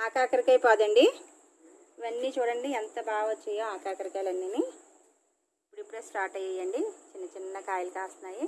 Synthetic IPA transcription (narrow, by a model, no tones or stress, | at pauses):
aːkaːkɐɾikɐjpaːd̪ɐɳɖi | iʋɐnːiːt͡ʃuːɽɐɳɖient̪ɐbaːɡʋɐt͡ʃːɛjoːaːkaːkɐɾikaːlɐnːini | ipːuɽipːuɽeːsʈaːʈɐjɐjɐɳɖit͡ʃinːɐt͡ʃinːɐkaːjɐlɐkaːst̪unaːji